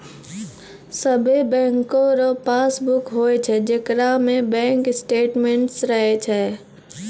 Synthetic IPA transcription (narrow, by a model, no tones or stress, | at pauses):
səbʱebɛ̃ːŋkõɾɔpaːsbʊkɦoːet͡ʃʰɛd͡ʒɪkɾamẽbɛ̃ːŋkɪsʈeːʈmẽɳʈsɾəɦet͡ʃʰɛː